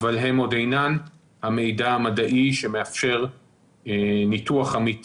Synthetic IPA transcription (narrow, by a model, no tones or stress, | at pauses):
valɦe̞mo̞d̪ejnan | hame̞jd̪aamad̪aʔiʃe̞meafʃe̞ʁ | nit̪uaχamit